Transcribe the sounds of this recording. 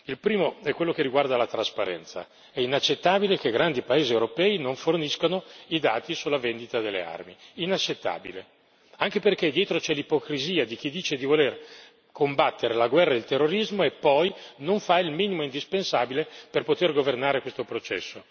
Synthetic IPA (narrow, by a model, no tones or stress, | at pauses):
ilpɾiːmoɛkːwelːokerːiɡward̪alat̪ɾaspaɾɛ̰nt̪sa̰ | ɛinat͡ʃːet̪ːaːbilekeɡɾand̪ipaeːziewɾopɛːinoɱforniskanoid̪aːt̪isulːavend̪it̪ad̪elːḛa̰rmiinat͡ʃːet̪ːa̰ːbḭlḛ | aŋk̟eperked̪jɛːt̪ɾot͡ʃɛlipokɾiziːad̪ik̟id̪iːt͡ʃed̪ivoler | kʰombat̪ːeɾelaɡwɛrːaelt̪erːoɾizmoepːɔjnoɱfailmiːnimoind̪ispensaːbileperpot̪erɡovernaːɾekwest̪opɾot͡ʃɛ̰sːo